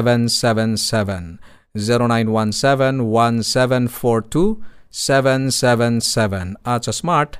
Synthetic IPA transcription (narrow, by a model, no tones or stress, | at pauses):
ʋɛnsɛʋɛnsɛʋɛ̃n | ziɾonajnwansɛʋɛ̃nwãnsɛʋɛ̃nfʰoɾʈʰusɛʋɛ̃nsɛʋɛ̃nsɛʋɛnat͡ʃʰəsmaɾʈ